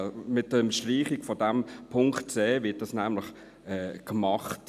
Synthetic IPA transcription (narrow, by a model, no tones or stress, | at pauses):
mɪt̚dənʃtriːχikfɔdɛmpʰʊŋktt͡seːvɪt̚dɑsnæmləχ | ɛːkmɑχt